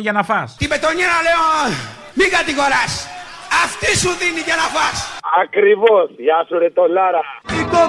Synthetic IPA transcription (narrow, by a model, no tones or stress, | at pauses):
ʝɐnɐfɐst̪ibe̞t̪o̞ɲeɾaleo | mikɐt̪iɣo̞ɾɐsɐft̪isuðiniʝɐnɐfasakɾivosʝasuɾet̪olaɾɐiko